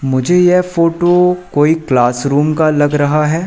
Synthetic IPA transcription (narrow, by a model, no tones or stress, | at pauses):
mʊd͡ʒʱejɛfoːʈokoːiklaːsɾuːmkalɐɡɾɐɦaɦɛː